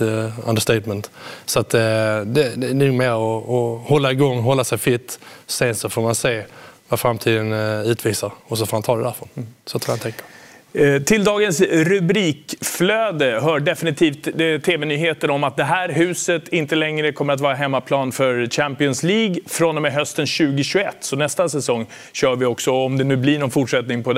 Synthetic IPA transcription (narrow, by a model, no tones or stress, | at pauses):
a̰nd̪əʂst̪ɛɪt̪mənt̪sɔat̪d̪ɛd̪ɛnʉmɛɔːhɔlːaɪɡɔŋːɦɔlːasɛjfɾɪt̪ːseːnsɔfoːɾmanseːvafɾamt̪ʰiːd̪ənʉ̟ːt̪ʰviːsaɾɔsɔfoːmant̪ʰɑːd̪ɛd̪æɾfɔnsɔt̪ʰalant̪ʰɛŋkḁ | t̪ʰɪld̪ɑːɡənsɾɵbɾiːkfløːd̪əɦœːɖɛfɪnɪt̪ʰiːft̪t̪ʰːeːvɛnyːɦeːt̪ənɔmat̪̚d̪ɛɦæːɾɦʉ̟ːsət̪ɪnt̪əlɛŋɾəkʰɔmːəɾat̪vɑːɾaɦɛmːapʰlɑːnfœɾɕæmpɪɔnsliːɡfɾɔnɔmɛɦœst̪ənɕʉ̟ːɡɪɕɵɛt̪ːsɔnɛst̪asɛsɔŋː | ɕœːɾvɪɔksɔɔmd̪ɛnʉ̟ːblɪɳɔnfʊʈʂɛt̪nɪŋpʰɔd̪